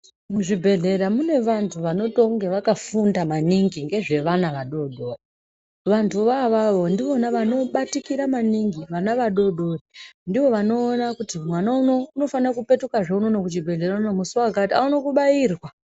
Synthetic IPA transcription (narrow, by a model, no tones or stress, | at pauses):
muʐibʱe̞ɮe̞ɾamune̞ʋantʰuʋano̞to̞ŋɡeʋakafundamaniŋɡiŋɡe̞ʐe̞ʋanaʋaɗo̞ɗo̞ri | ʋantʰuʋaʋaʋo̞ndiʋo̞naʋano̞ɓatikiɾamaniŋɡiʋanaʋaɗo̞ɗo̞rindiʋo̞ʋano̞ːnakutimwanauno̞uno̞fanakupe̞tukaʐeuno̞no̞kut͡ʃibʱe̞ɮe̞ɾanomusuwakataunokuɓaiːrwa